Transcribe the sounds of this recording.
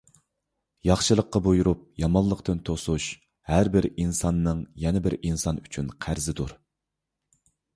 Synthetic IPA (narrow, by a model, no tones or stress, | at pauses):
jɑχʃɨlˠəqːɑbojuɾup̚jɑmɑnlˠəqt̪ɨnt̪ʰosuʃ | hæɾbɪɾinsɑnːɨŋjɛnɪbɪɾinsɑnyt͡ʃʰynqʰæɾzɪd̪uɾ